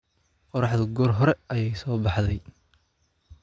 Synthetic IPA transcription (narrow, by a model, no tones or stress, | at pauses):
qɔɾɑħðɐɡɔːrɦɔɾɛʔɐjɛjsɔːbɑħðɛj